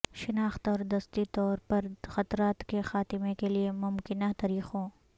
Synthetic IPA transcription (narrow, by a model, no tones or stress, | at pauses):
ʃɪnaːxt̪ɔːɾd̪ɐst̪it̪ɔːɾpɐɾxɐt̪ɾaːt̪kexaːt̪ɪmekeliemʊmkɪnat̪ɐːɾiːxɦõː